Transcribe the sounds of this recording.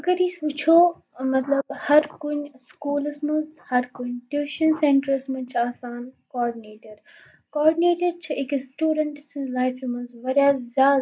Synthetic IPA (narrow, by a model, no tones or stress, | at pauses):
ɐɡəɾiːsuːt͡ʃʰoː | mɐt̪ləbhɐɾkʊɲskuːlsmɐ̃nzhɐɾkʊɲʈjuːʃɐnsẽːɳʈəɾsmɐ̃ɲt͡ʃaːsaːnkɔːɾɖineːʈəɾ | kɔːɾɖineːʈəɾt͡ʃʰɐɪksʈuːɖəɳʈslaːɪfimɐ̃nzʋɐɾjazjaː